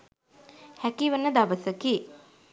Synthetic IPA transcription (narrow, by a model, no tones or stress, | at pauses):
hækiʋənːəd̪aʋəsəki